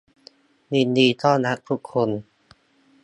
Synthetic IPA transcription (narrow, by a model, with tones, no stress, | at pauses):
ni˧˩ndiː˧˩t̪ʰɔː˥˩na˦˥t̪̚t̪ʰu˦˥kʰːo˧n